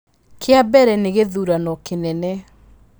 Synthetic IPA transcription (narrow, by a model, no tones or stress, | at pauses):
kʰeabɛɾɛneɣeðuɾanɔkenɛnɛ